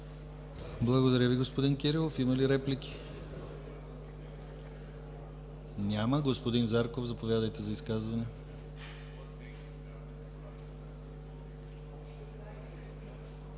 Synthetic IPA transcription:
blˠɐɡod̪ɐɾʲəviɡospod̪inkʲɛɾilˠofiməliɾɛplikʲi̥ | nʲaməɡospod̪inzaɾkovzɐpovʲjad̪əjt̪ɛzɐiskazvɐnɛ

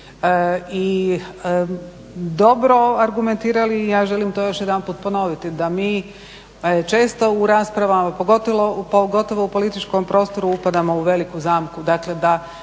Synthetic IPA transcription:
əiə | d̪o̞bɾo̞aɾɡume̞nt̪iːɾaliːjaːʒe̞limt̪oːjo̞ʃjed̪anpuːt̪̚po̞no̞ʋit̪id̪amiː | t͡ʃe̞ːst̪o̞uɾaspɾaʋamopoɡo̞t̪oʋopoɡo̞t̪oʋoupo̞lit̪it͡ʃko̞mpɾo̞ːst̪o̞ɾuupad̪amo̞uʋe̞likuzaːmkud̪akle̞d̪a

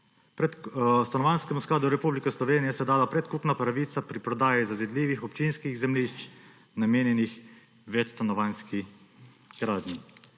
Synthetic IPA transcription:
pɾɛt̪st̪anɔʋanskɛmusklaːd̪uɾɛpublikɛslɔʋeːnijɛsɛd̪aːlapɾɛt̪kupnapɾaʋiːt̪sapɾipɾɔd̪aːjizazɛd̪liːʋixɔpt͡ʃinskiɣzɛmliʃt͡ʃ | nameːnjɛnix | ʋɛt͡ʃst̪anɔʋaːnski | ɡ̥ɾaːd̪ni

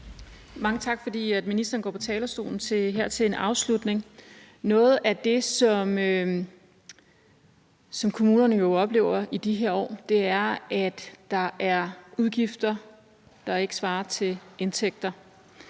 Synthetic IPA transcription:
mɑ̈ŋət͡sʰɑ̈ɡ̥fɒ̽d̥ḭːæd̥minisd̥ɐːn̩ɡɒ̰ːpʰɒ̽t͡sʰɛːlɐsd̥o̝̰ːln̩t͡sʰeɦeɐ̰t͡sʰe̝le̝nɑ̈ʊslud̥ne̝ŋ | nɔ̽ːð̞̩ˠʔæd̥e̝sɒ̽mø | sɒ̽mkʰo̝muːnɐnəjo̝ɒ̽b̥le̝̰ːʊɐid̥iɦeɐ̰ɒ̰ːd̥e̝æɐæd̥ːɑ̈ʔæɐuð̞ˠɡ̥ifd̥ɐ | d̥ɑ̈e̝ɡ̥ə̥sʋɑ̈ːɐt͡sʰe̝le̝nt͡sʰeɡ̥̚d̥ɐ

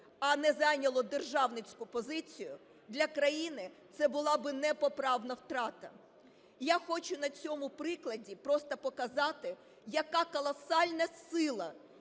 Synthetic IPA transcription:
ɐnɛzɑjnʲɐlˠɔd̪erʒɑwnɪt͡sʲkʊpɔzɪt͡sʲijʊ | d̪lʲɐkɾɐjinɪt̪sɛbʊlˠɑbɪnɛpɔpɾɑwnɐwt̪ɾɑt̪ɐ̰ | jaxɔt͡ʃʊnɐt͡sʲɔmʊpɾɪklˠɐdʲipɾɔst̪ɐpɔkɐzɑt̪ɪ | jɐkɑkɔlˠɐsɑlʲnɐsɪlˠɐ

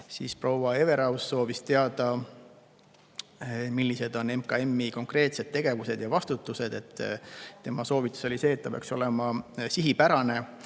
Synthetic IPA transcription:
sḭːspro̞wɑe̞ve̞ɾɑwsːo̞ːvist̪e̞ɑd̪̥ɑ | milʲːise̞d̪o̞nemkɑe̞mːiko̞ŋkre̞ːt̪se̞d̪̥̚t̪ːe̞ɡ̥e̞vuse̞d̪̥jɑvɑst̪ut̪ːˑuse̞d̪̥e̞t̪ˑːt̪ːe̞mɑso̞ːvit̪ːˑu̥so̞lʲise̞ːt̪ːɑpeɑ̰kso̞le̞mɑsiɦipæɾɑne̞

